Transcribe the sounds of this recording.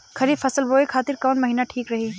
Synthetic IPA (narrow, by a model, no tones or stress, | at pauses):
kʰɐɾifɐsəlboːekʰaːt̪ɪɾkɔːnmɐɦiːnaʈʰiːkɾɐɦiː